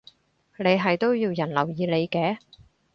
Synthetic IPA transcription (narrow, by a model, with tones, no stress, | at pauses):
ne˨˧jɦɐ˨jt̪o˥wjiː˧wjɐ˨˩nlɐ˨˩wjiː˨˧le˨˧jkɛː˨˥